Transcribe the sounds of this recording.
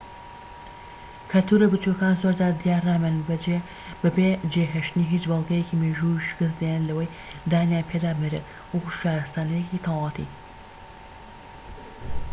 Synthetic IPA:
kʰɐlt̪ʰuɾɐbɨt͡ʃukaːnzoɾd͡ʒaːɾd̪ijaːrːaːmɛnbɐd͡ʒe | bɐbed͡ʒeɦeʃt̪niɦiːt͡ʃbɑlˠɡɐjekiːmeʒuiʃɨ̥kɨs̬d̪ejnlɐwɐj | d̪aːnjaːnpʰed̪aːmɨɾet̪ | wəkuʃaːɾɐst̪aːnejekit̪ʰalɑt̪ʰḭ

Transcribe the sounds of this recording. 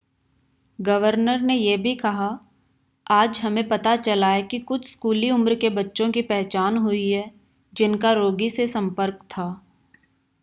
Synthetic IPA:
ɡɐʋəɾnəɾnejebʱikɐɦa | aːd͡ʒɦɐmẽpɐt̪at͡ʃɐlaɦɛkikʊt͡ʃʰskuːliʊmɾkebɐtːʃõkipɛɦt͡ʃaːnɦʊiɦɛː | d͡ʒɪnkaɾoːɡisesɐ̃mpəɾkt̪ʰaː

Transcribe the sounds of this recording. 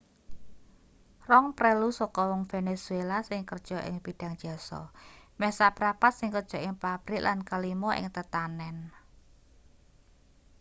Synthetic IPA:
rɔŋpɾelusɔkɔwɔŋfenesuelasɪŋkərd̥ʒ̥ɔ̤ʔɪ̰ŋpiɖ̥a̤ŋd̥ʒ̥a̤sɔ̰mɛhsapɾapat̪̚sɪŋkərdʒ̥ɔ̤ʔɪŋpab̥ɾɪʔlʔankalimɔʔɪ̰ŋt̪ət̪anɛn

